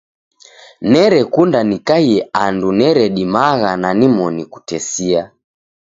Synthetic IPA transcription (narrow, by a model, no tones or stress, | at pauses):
nɛɾɛkundanikaiɛandunɛɾɛɗimaɣananimɔniku̥tɛsia